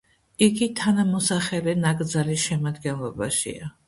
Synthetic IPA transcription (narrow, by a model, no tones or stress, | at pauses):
iɡit̪ʰanamɔsaχɛlɛnaɡʼd̪zalisʃɛmad̪ɡɛnlˠɔbaʃḭa